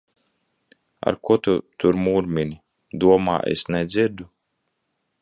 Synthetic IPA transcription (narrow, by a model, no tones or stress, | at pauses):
a̰ɾkut̪ut̪uɾmuːɾmʲinʲi | d̪uɔma̰ːʔḛsnɛd̪zʲiɾd̪u